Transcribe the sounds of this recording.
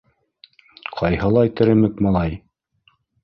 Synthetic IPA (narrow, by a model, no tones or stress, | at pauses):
qʰɑjhɤ̆lˠɑjt̪ɘ̆ɾɘ̆mɘkmɑlˠɑj